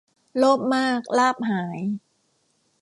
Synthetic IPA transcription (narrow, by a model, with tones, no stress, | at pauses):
loː˥˩p̚maː˥˩k̚laː˥˩p̚ɦaː˩˦j